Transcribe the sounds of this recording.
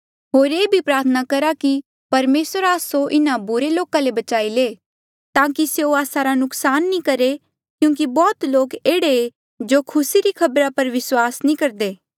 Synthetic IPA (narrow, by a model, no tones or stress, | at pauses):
ɦoːɾeːbʱipɾaːɾt̪ʰənakɐɾaki | pɐɾmeːsəɾaːsoʔɪnabʊɾeloːkãlebɐt͡ʃaːileː | t̪ãːkiseoaːsaɾanʊksaːnːĩkɐɾe | kjũːk̬ibɔːt̪loːkeːɽee | d͡ʒoːkʰʊsiɾikʰɐbɾapɐɾʋɪswaːsnĩkɐɾd̪eː